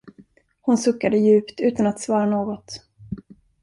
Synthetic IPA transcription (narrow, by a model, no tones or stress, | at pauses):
hʊnsɵkːad̪əjʉ̟ːpt̪ʉ̟ːt̪anat̪svɑːɾanoːɡɔt̪